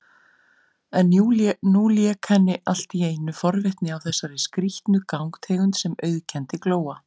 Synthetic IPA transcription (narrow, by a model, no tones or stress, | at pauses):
ɛnunuːliɛkʰɛnːɪʔal̥t̪ieːjnːʏfɔɾvɪht̪nɪawθɛsːaɾɪskɾiht̪nʏkawŋkt̪ʰeːɣʏnt̪sɛmœɥðcʰɛnt̪ɪkloːwa